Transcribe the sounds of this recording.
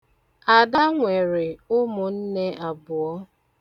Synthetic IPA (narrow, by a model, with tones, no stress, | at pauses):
a˨da˦ŋʷe˨ɾɪ˨ʊ˦mʊ˨n̩˦ne˦ʔa˨bʊ˨ɔ˦